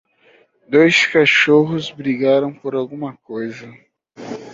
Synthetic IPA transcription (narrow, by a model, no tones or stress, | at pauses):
d̪ojskaʃoɦʊzbɾiɡaɾɐ̃w̃poɾawɡũmɐkojzɐ